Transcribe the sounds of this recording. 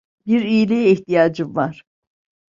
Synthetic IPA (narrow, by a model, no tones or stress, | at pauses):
biɾijlʲɛiht̪ijaːd͡ʒɯvaɾ̥